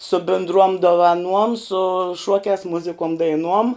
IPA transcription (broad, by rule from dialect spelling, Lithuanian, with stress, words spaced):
sʊ bʲɪndˈruɔm doːʋɐˈnuɔm sʊ ˈʃuɔkʲæːs ˈmʊzʲɪkuɔm dɐɪˈnuɔm